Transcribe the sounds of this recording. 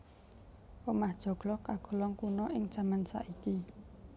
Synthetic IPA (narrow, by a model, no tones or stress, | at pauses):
wəmahd̥ʒ̥ɔ̤ɡ̥lɔhkaɡ̥o̤lɔŋkunɔʔɪŋ̥ʒ̥a̤mənsa̰ʔiki